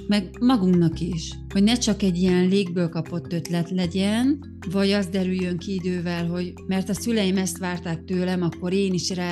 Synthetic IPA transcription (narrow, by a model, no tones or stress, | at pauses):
mɛɡmɒɡuŋknɒkiʃ | ho̞ɟnɛt͡ʃɒkɛɟːijɛnleːɡ̚bøːlkɒpo̞t̪ːø̞t̪lɛt̪lɛɟɛn | vɒɟɒzd̪ɛɾyjːø̞ŋkiid̪øːvɛlɦo̞ɟmɛrt̪ɒsylɛjimɛst̪ʋaːrt̪aːk̚t̪øːlɛmɒkːo̞ɾeːniʃraː